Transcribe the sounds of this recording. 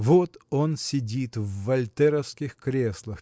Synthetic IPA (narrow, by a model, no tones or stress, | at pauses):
vot̪o̞nsʲɪdʲit̪vːɐlʲt̪ɛɾəfskʲɪxkɾʲeslˠəx